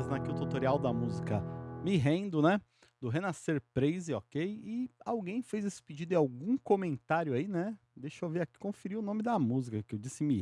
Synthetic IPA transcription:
znakiʊt̪ut̪oɾiawd̪ɐmuzikɐmiɦẽnd̪ʊnɛ | d̪ʊɦenaseɾpɾejzɪɔkejɪawɡẽj̃fejzesɪ̥pid͡ʒid̪ʊẽawɡũkomẽnt̪aɾjʊainɛd̪ejʃoviɾaki̥kõfiɾiʊnõmɪd̪ɐmuzikɐkɪewd͡ʒisɪmi

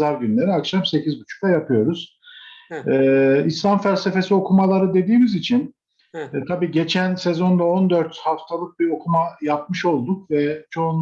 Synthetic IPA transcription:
aɾɟynlʲe̞ɾiakʃamse̞cʰizbut͡ʃʰu̥k̚t̪ˠajapʰɯjo̞ɾuz̥ | ɛːislˠamfælʲse̞fe̞sio̞kʰumalˠaɾɯd̪e̞d̪iːmizit͡ʃʰinː | t̪ʰabiːɟe̞t͡ʃʰænsɛzo̞nd̪ao̞nd̪øɾt̪haft̪ʰalˠɯk̚biɾo̞kʰumajap̚mɯʃo̞lˠd̪ukvɛt͡ʃʰo̞un

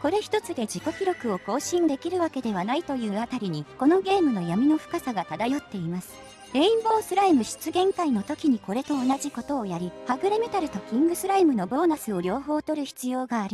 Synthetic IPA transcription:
ko̞ɾe̞çi̥t̪o̞t͡sɨd̪e̞ʑiko̞kʲiɾo̞kɯ̟o̞ko̞ːɕĩnd̪e̞kʲiɾɯ̟βake̞d̪e̞β̞anait̪o̞jɯ̟ːat̪aɾʲiɲ̟iko̞no̞ɡe̞ːmɯ̟no̞jamʲino̞ɸɯ̟̥kasaɡat̪ad̪ajo̞t̪ːe̞imasɨ̥ | e̞ĩmbo̞ːsɨɾaimɯ̟ɕi̥t͡sɨɡẽ̞ŋkaino̞t̪o̞kʲiɲ̟iko̞ɾe̞t̪o̞ːnaʑiko̞t̪o̞ːjaɾʲihaɡɯ̟ɾeme̞t̪aɾɯ̟t̪o̞kʲĩŋɡɯ̟sɨɾaimɯ̟no̞bo̞ːnasɨo̞ɾʲo̞ːɦo̞ːt̪o̞ɾɯ̟çi̥t͡sɨjo̞ːɡaːɾʲi

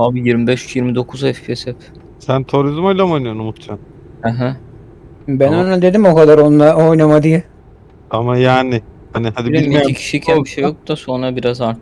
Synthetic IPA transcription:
aːbijiɾmibɛʃyt͡ʃjiɾmid̪o̞kʰuzɛffesɛf | sænt̪ʰoɾizmajlʲamojnɯjonumut̪t͡ʃʰan | hɛɦɛ | bænonad̪e̞d̪imo̞kad̪aɾo̞nlˠao̞jnamad̪ijɛ | amajaːnɪhanɪhad̪ibiecʰi̥ʃicʰabiʃejo̞k̚d̪aso̞nɾabiɾazaɾt̪ʰ

